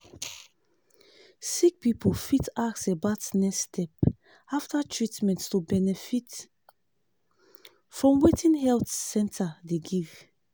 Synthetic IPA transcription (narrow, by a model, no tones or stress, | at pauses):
sik̚pipʰolfitaksebatnɛstʰɛp̚ | aftatʰɹitmɛ̃nttubɛnɛfit | fɹɔ̃mwetĩnhɛltsɛ̃ntʰadeɡiv̥